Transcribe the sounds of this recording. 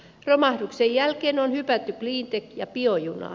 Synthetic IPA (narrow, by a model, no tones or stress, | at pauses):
romɑhduksejjælkeːnonhypæt̪ːykliːnt̪ekjɑpiojunɑ̰